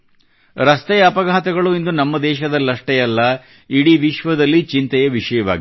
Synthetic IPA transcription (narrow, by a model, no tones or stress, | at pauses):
ɾɐst̪ɛjɐɐpɐɡaɦɐt̪ɐɡɐɭuind̪unɐmːɐd̪ɛːʃɐd̪ɐlːɐʂʈɛjɐlːɐ | iɽiʋiʃʋɐd̪ɐlːit͡ʃint̪ɐjɐʋiʃɐjɐʋa̰ːɡi